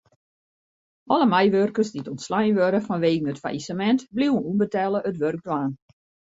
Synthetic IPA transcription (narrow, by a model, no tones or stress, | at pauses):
ʔɔləmajʋørkərsdiətɔntslajnʋøɾəfɔnʋeːɡən̩ətfa̰isəmɛntbliwənunbətɛlˠəətʋørɡ̚dwaːn